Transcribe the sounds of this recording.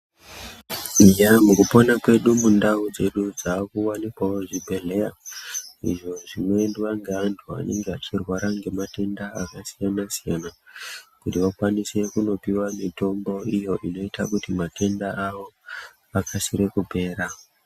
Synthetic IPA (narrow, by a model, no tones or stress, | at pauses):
ijamukupo̞nakwe̞ɗumundaud͡ze̞ɗud͡zakuwanikwaoʐibʱe̞ɮe̞ja | ḭʐo̞ʐinwe̞ndiʋaŋɡeantʰua̰ne̞ŋɡeat͡ʃirwaɾaŋɡe̞mate̞ndaakasijanasijanakutiʋakwanise̞kuno̞piwamito̞mbo̞ijo̞ʔino̞itakutimate̞ndaaʋo̞ | akʰasiɾe̞kupe̞ːɾa